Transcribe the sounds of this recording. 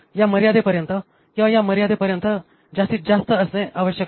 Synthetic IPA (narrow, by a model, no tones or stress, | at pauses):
jaməɾijad̪epəɾjənt̪ə | kĩʋajaməɾijad̪epəɾjənt̪ə | d͡zast̪iːt̪̚d͡zast̪əəsnẽʔaʋəɕjək